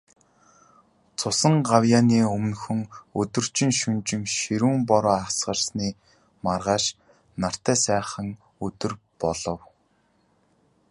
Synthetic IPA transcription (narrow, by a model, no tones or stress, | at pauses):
t͡sʰʊsə̆ɴɢawjaːniːɵmnxɵ̆ŋɵt̪ɵ̆r̥t͡ɕɪ̆ŋʃɵnt͡ɕɪ̆ŋʃiɾuːmpɔɾɔːasɢə̆rsniː | marʁaːʃ | nar̥t̪æːsæːχə̆ŋ | ɵt̪ɵ̆r | pɔɮɞ̆w